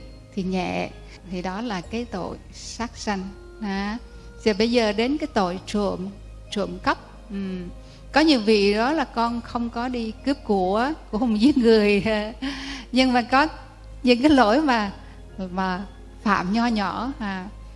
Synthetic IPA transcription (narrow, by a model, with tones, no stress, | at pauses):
t̪ʰi˨˩ɲɛ̰˧˨ | t̪ʰi˨˩ɗɔ˨˦laː˨˩kaː˨˦jt̪o̰˧˨j | saː˦˥k̚sa˧jŋ̟ | aː˨˦ | za˨˩ɓə˧jzəː˨˩ɗe˨˦nkaː˨˦jt̪o̰˧˨jt͡ɕṵ˧˨əm | t͡ɕṵ˧˩˨əmkə˦˥p̚ | ʔ̩˨˩ | kɔ˨˦ɲi˧˦əwvḭ˧˨ɗɔ˨˦laː˨˩kɔ˧nxə˧wŋ͡mkɔ˨˦ɗi˧kɨ˦˥əp̚ku˧˩ə˦ku˧˩əhŋ͡mzi˦əŋ̚ŋɨ˨˩əja˨˩ɲɨ˧ŋmaː˨˩kɔ˨˦ | ɲɨ̰˧˥ŋkaː˨˦jlo˧˩jmaː˨˩ | maː˨˩ | fa̰ː˧˨mɲɔ˧ɲɔ˧˩˨haː˨˩